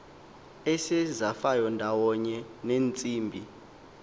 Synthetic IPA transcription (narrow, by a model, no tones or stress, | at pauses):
ɛsɛzafajɔndʱawɔɲɛneːnt͡sʼiːmbʱi